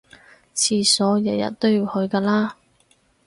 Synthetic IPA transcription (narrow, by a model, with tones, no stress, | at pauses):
t͡sʰiː˨˧sɔː˨˥jɐ˨˩jɐ̰˨t̚t̪o˥wjiː˨˧whɵ˨˧ɥkaː˧laː˥